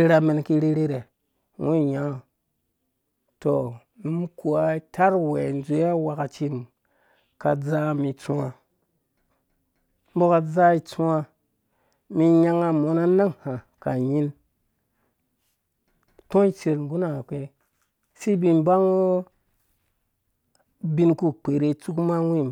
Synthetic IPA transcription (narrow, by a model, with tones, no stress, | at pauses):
e˦ɾa˨me˨nki˦ɾe˦ɾe˦ɾe˨ | wu˦˨ja˦˨ | to˨ | nu˦m˦ku˨a˨˦tʰa˦ɾwe˨n˨zu˨˦a˦wa˨ka˨t͡ʃi˦n | ka˨d͡za˦mi˨t͡sũ˦a˦ | m˦bo˦ka˨d͡za˦i˨t͡sũ˦a˧ | mi˧ɲa˧ŋa˧mo˨˦na˦na˦ŋha˨ka˨ji˦n | tõ˦i˦t͡ʃe˨ɾɡu˦na˨ke˦ | si˦bi˧nba˦ŋo˦ | bi˦nku˦k͡pe˨ɾe˧t͡su˦kma˦wʷi˦˨m